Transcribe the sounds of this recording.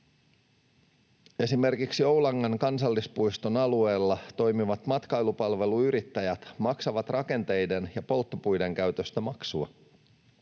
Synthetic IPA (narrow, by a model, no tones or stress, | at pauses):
e̞sime̞rkiksio̞wlɑŋːɑnkɑnsɑlːispujst̪onɑlue̞ːlːɑt̪o̞jmiʋɑt̪mɑt̪kɑjlupɑlʋe̞luyɾit̪ːæjæt̪mɑksɑʋɑt̪rʔɑke̞nt̪e̞jde̞njɑpo̞lt̪ːopujde̞ŋkæɥt̪øst̪æmɑksuɑ̰